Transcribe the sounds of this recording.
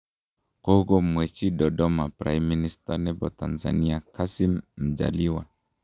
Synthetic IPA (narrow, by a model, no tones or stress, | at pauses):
kɔuɡɔmwɛt͡ʃiɗɔɗɔmapɾa̰jmːinistanɛbɔtanza̰niakasimm̩d͡ʒa̰liwa